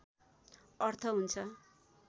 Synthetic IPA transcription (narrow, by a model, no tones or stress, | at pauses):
ʌrt̪ʰʌɦunt͡sʰʌ